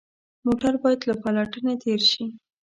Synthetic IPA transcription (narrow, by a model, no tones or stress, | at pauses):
moʈaɾbɑjad̪lapalaʈənet̪eɾʃi